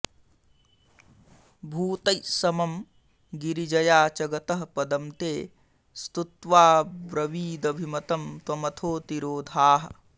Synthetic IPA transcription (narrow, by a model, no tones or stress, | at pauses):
bʱuːt̪ɐjsɐmɐm | ɡiɾid͡ʒɐjaːt͡ʃɐɡɐt̪ɐɦɐpɐd̪ɐmt̪eː | st̪ut̪ʋaːbɾɐʋiːd̪ɐbʱimɐt̪ɐmt̪wɐmɐt̪ʰoːt̪iɾoːd̪ʱaːɦɐ̆